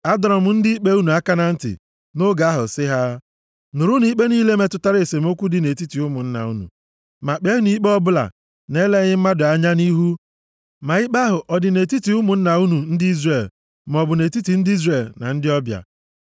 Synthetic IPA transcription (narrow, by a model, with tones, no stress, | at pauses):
a˦dɾɔ˨m̩˦n̩˦dɪ˦i˦k͡pe˦u˦nu˨a˦ka˦na˦n̩˦tɪ̰˨ | no˦ɡa˨a˦ɦʊ̰˨sɪ˦ɦa˦ | nʊ˨ɾʊ˦ni˦k͡pe˦niː˦le˦me˨tʊ˦ta˦ɾe˨se˨m˦o˦kʷu˦dɪ˨ne˨ti˦ti˨ʊ˦mʊ˨n̩˦na̰˨u˦nṵ˨ | ma˨k͡pe˦ɦʊ˦ni˦k͡pe˦ɔ˦bʊ˦la̰˨ | ne˦le˦ɣɪ˦m̩˦ma˦dʊ˨a˨ɲa˦ni˦ɦu˦ | ma˨i˦k͡pa˦ɦʊ˨ʔɔ˨dɪ˨ne˨ti˦ti˨ʊ˦mʊ˨n̩˦na˨u˦nu˨n̩˦dɪ˦i˦zre˨l | m˨ɔ˨bʊ˨ne˨ti˦ti˨n̩˦di˦zre˨lna̰˨n̩˦dɪ˦ɔ˦bja̰˨